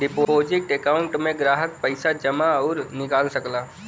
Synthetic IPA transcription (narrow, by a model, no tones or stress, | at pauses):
ɖɪpoːd͡ʒɪʈekaːʊ̃ɳʈmẽɡɾaːɦək̚pəɪsad͡ʒɐmaɔːɾnɪkaːlsɐklaː